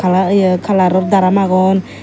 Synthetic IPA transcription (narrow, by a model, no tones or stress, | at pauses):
kalajkʰalaɾɔɾd̪aɾamaɣɔn